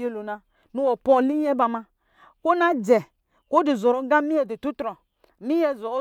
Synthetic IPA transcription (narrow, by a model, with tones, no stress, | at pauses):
e˦lo˨na˨ | nu˦wo˨pɔ˦˨li˦jɛ˦ba˨ma˧ | ko˦na˦d͡ʒɛ˨ | ko˦di˨zɔ˨ɾo˨˦ɡa˦mi˦jɛ˨di˨tu˦tɾɔ˨ | mi˦jɛ˦zɔ˨˦